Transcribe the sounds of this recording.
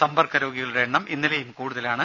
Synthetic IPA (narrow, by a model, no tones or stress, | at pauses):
sɐmbɐrkɐɾo̞ːɡiɣɐɭuɽeːɳːɐmʔinːilejumkuːɽuðɐlaːɳɨ